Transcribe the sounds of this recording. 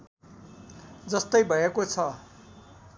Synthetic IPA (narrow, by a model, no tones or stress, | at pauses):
d͡zʌst̪ʌjbʱʌekot͡sʰʌ